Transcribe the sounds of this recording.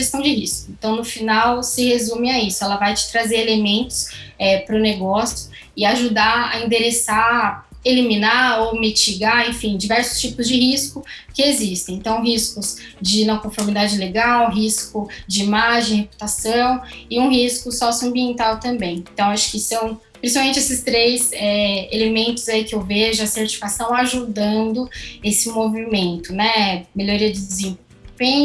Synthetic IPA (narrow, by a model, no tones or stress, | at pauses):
est̪ɐ̃w̃d͡ʒɪhiskʊẽnt̪ɐ̃w̃nʊfinawsɪhezũmɪaisʊɛlɐvajt͡ʃɪ̥t̪ɾazeɾelemẽnt̪ʊ̥sɛpɾʊneɡɔsjʊ | ɪaʒud̪aa̰ĩnd̪eɾesa | elimĩnaowmit͡ʃiɡaẽfĩd͡ʒivɛɾsʊ̥st͡ʃipʊzd͡ʒɪɦiskʊkɪezist̪ẽj̃ẽt̪ɐ̃w̃ɦiskʊz | d͡ʒɪnɐ̃w̃kõfoɾmid̪ad͡ʒɪleɡawɦiskʊd͡ʒɪimaʒẽj̃hepu̥t̪asɐ̃w̃ɪũɦiskʊsɔsjʊɐ̃mbiẽnt̪awt̪ɐ̃mbẽj̃t̪ɐ̃w̃aʃʊ̥kɪsɐ̃w̃ | pɾĩsi̥pawmẽt͡ʃɪesɪst̪ɾejzɛelemẽnt̪ʊzaikɪewveʒʊɐseɾt͡ʃi̥fi̥kasɐ̃w̃aʒud̪ɐ̃nd̪ʊesɪmovimẽnt̪ʊnɛmeloɾiɐd͡ʒɪd͡ʒɪzẽvovẽ